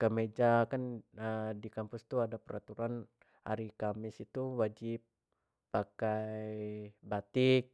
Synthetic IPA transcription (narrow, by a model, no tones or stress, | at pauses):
kəmed͡ʒakanədikampust̪uadapəɾa̰t̪uɾan | ha̰ɾikamɪsit̪uwad͡ʒɪpː | akajbat̪ɪk̚